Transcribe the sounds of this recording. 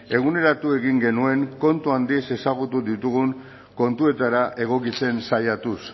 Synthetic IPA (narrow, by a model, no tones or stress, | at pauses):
e̞ɣ̞une̞ɾat̪ue̞ɣiŋɡe̞nue̞ŋko̞nt̪uand̪ise̞saɣ̞ut̪uðit̪uɣ̞uŋ | ko̞nt̪ue̞t̪aɾaʔe̞ɣ̞o̞kit͡se̞nsajat̪us